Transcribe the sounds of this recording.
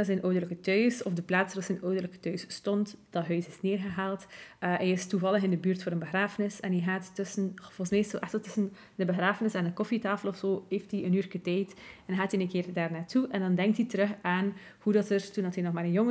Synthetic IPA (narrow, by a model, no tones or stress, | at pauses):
sɛnʔoːdələkətœɥsɔfdəplaːtsəɾɔsɛnoːdərləkə̥tœɥsːtɔntd̥ɑtɦœɥsɪsneːrɣəɦaːlˠtːɛjɪstuvɑlˠəxɪndəbyːrtfoːɾənbəxraːfənɪsɛnɦɛɦaːtːɵsənvɔləsmeːstsoʔɛxtəlˠtɵsən | dəbəxraːfənɪsɛndəkɔfitaːfəlˠɔfsoːɦeːftiənyːrkətɛjtɛnɦaːtinənkɪːrdaːrnaːtʰuʔɛndɑndɛŋk̚titəɾɵxaːn | hudɑtərtundɑtɦɛnɔxmaːɾənjoŋ